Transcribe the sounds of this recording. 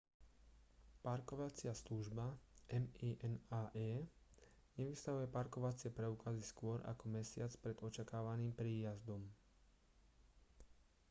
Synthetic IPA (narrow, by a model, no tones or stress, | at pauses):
paɾkɔʋat͡sɪasluʒbaʔɛmiːʔɛnaːʔɛː | ɲɛʋist̪aɦujɛpaɾkɔʋat͡sɪɛpɾɛukaziskʊɔɾʔa̰kɔmɛsɪat͡spɾɛd̪̥ɔt͡ʃakaːʋaniːmpɾiːjazd̪ɔm